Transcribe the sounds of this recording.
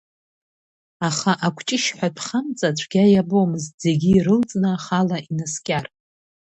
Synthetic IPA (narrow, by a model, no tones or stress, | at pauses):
aχaʔakʷʰt͡ʃʼɪʃħʷatʰχamt͡sʼat͡ɕʷʰɡ̥ʲajabomɨztze̞ɡʲiːɾɨlt͡sʼnɨaχalaʔinaskʲʼar